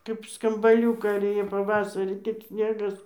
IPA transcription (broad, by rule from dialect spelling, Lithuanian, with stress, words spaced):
kɐɪp skɐmbɐˈlʲuːkɐɪ ɪr ˈjeː pɐˈʋɑːsɐrʲiː tʲɪk ˈsʲnʲeːɡɐs